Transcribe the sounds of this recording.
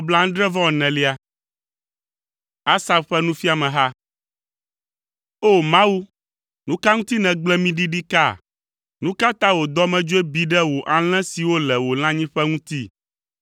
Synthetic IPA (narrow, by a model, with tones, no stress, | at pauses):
o˦bla˦ŋ̩̃˦ɖɾɛ˦vɔ̃˦˨nɛ̃˨li˦a˨ | a˦sa˦bɸɛ˦nũ˦fi˦a˨mɛ̃˨ɦa˦ | o˦˨mã˦wu˦ | nũ˦ka˦ŋũ˦t̪i˦nɛ̃˨ɡ͡blɛ˦mĩ˦ɖi˦ɖi˦ka̰˦˨ | nũ˦ka˦t̪ã˦wo˨d̪ɔ˦mɛ̃˨d͡ʒo˦e˦bi˨ɖɛ˦wo˨ʔa˨l̃ɛ̃˦si˨wo˦lɛ˨wo˨l̃ã˦ɲĩ˦ɸɛ˦ŋũ˦t̪i˦